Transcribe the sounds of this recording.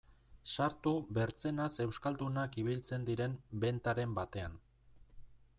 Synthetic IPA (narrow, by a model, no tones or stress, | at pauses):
saɾt̪uβe̞ɾt͡se̞nase̞wskald̪unakiβ̞ilt͡se̞nd̪iɾe̞mbe̞nt̪aɾe̞mbat̪e̞an